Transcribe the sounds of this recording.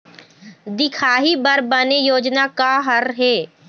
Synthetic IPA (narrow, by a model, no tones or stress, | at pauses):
d̪ɪkʰaːɦibəɾbənejoːd͡ʒnakaɦəɾɦɛː